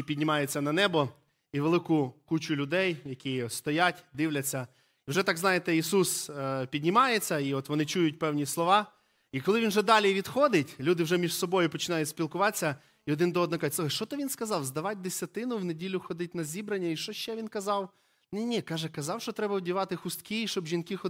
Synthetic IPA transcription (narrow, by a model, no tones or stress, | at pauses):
pʲidʲnʲɪmɑjet͡sʲːɐnɐnɛbɔ | iʋelˠɪkʊkut͡ʃʊlʲʊd̪ɛjjɐkist̪ɔjatʲd̪ɪwlʲɐt͡sʲːɐ | iwʒɛt̪ɑɡznɑjet̪ɛisuspʲidʲnʲɪmɑjet͡sʲːɐiɔt̪ʋɔnɪt͡ʃujʊtʲpɛwnʲislˠɔʋɑ | ikɔlˠɪʋʲinwʒɛd̪ɑlʲiʋʲid̪xɔd̪ɪtʲlʲud̪ɪwʒɛmʲiʐsɔbɔjʊpɔt͡ʃɪnɑjʊtʲsʲpʲilˠkʊʋɑt͡sʲːɐ | iɔd̪ɪnd̪ɔɔd̪nɔkʒtʲsʃt͡ʃɔt̪ɐʋʲinskɐzɑwzd̪ɐʋɑt̚ʲd̪esʲɐt̪ɪnʊwnedʲilʲʊxɔd̪ɪtʲnɐzʲibɾɐnʲːɐiʃt͡ʃɔʃʃt͡ʃɛʋʲinkɐzɑw | nʲinʲikɑʒɛkɐzɑwʃt͡ʃɔt̪ɾɛbɐwdʲiʋɑt̪ɪxʊst̪kʲiʃt͡ʃɔbʒʲinkɪxɔ